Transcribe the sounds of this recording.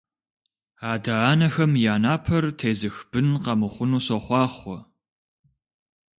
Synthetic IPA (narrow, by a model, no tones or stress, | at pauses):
aːdaaːnɐxɐmjaːnaːpʰɐrtʰeːzɨxb̥ɨnqɐmɨχʷʊnuːsɔχʷɑːχʷɔ